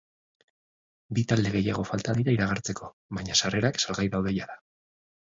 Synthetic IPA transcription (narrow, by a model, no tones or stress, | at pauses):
bit̪ald̪e̞ɣ̞e̞jaɣ̞o̞falt̪aðiɾaiɾaɣ̞aɾt͡se̞kʰo̞ | βaɲasare̞ɾaksalɣajðawðe̞jaða